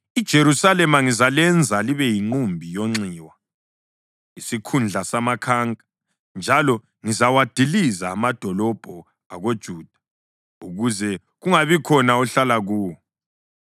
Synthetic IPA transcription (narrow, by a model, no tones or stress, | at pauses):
id̥ʒ̥ʱeɾusalɛmaŋizalɛnd͡zʱaliβɛjiŋ͡ǀumbʱijoŋ͡ǀiːwa | isikʰund͡ɮʱasamakʰaːŋa | nd͡ʒʱalɔ | ŋizawad̥ʱilizaːmad̥ʱɔlɔb̥ʱɔ | a̰ɣod̥ʒ̥ʱuːd̥ʱḁ | uɣuzɛ | ɣuŋaβikʰɔnauɬalaɣuːwɔ